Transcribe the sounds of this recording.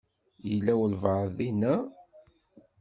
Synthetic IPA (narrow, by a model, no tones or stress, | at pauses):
jəlːæwəlvəðinæ